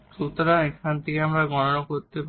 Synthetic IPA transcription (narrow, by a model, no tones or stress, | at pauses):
ʃut̪oɾanekʰant̪ʰekeamɾaɡɔnonokoɾt̪ep